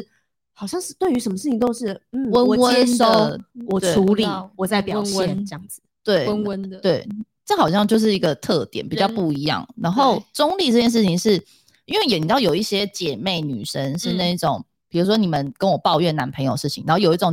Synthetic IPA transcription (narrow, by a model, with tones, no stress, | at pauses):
ʂɻ̩˥˩ | xɑ˨˩ʊɕjɑ˥˧ŋʂ̩˥˩t̪we˥˩ɪy˧˥ʂə˧˥mə˧ʂɻ̩˥˩t͡ɕʰi˨˩ŋt̪o˥ʊʂɻ̩˥˩n̩˥˩wə˦n˨wə˦˥so˥˨˩t̪e˥˩u˧˥li˨˩wɔ˨˩t͡sa˥ɪpjɑ˨˧˥ə˥˧ɑ˥˩ŋ˩t̪we˥˩ɪə˦nwə˦˥nt̪we˥˩ɪ | ʈ͡ʂa˥˩xɑ˨˩ʊɕjɑ˥˧ŋt͡ɕjo˥˧ʊʂɻ̩˥˩i˧˥ɡə˧t̪ʰɤ˥˨t̪jɛ̰˨˦npi˨t͡ɕjɑ˥˧ʊpu˥˩i˧˥jɑ̰˥˩ŋna˧˥nxo˥˩ʊʈ͡ʂʊ˥ŋli˥˧ʈ͡ʂɤ˥˧t͡ɕjɛ˥˧nʂɻ̩˥˩t͡ɕʰi˨˩ŋʂɻ̩˥˩ | i˥nwe˥˩jɛ˨˩ni˨˩t̪ɑ˥˩ʊjo˨˩ʊi˥˩ɕjɛ˥t͡ɕjɛ˨˩me˥˩ɪny̰˨˩ʂə˦nʂɻ̩˥˧na˥˧i˥˩ʈ͡ʂo˨˩˦ŋ | pʰi˨˩ɻu˧˥ʂ̬wɔ˥ni˨˩mə˨nkə˦˥nwɔ˨˩pɑ˥˧ʊɥɛ˥˩na˧˥npʰə˧ŋjo˨˩ʊə˩ʂɻ̩˥˩t͡ɕʰi˨ŋna˧˦˥o˥˩jo˨˩ʊi˥ʈ͡ʂʊ˨˩ŋ